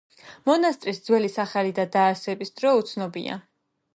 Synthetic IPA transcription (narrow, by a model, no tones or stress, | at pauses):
mɔnast̪ʼɾisd̪zwɛlisaχalid̪ad̪aːɾsɛbisd̪ɾɔut̪sʰnɔbḭa̰